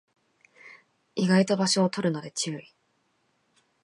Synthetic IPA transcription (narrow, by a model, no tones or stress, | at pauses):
iɡait̪o̞baɕo̞ːt̪oɾɯ̟no̞d̪e̞t͡ɕɨːi